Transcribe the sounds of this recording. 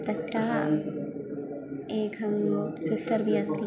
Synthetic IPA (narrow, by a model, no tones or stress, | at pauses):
t̪ɐt̪ɾaɦ | eːkɐŋlosɪsʈəɾbʱiɐst̪i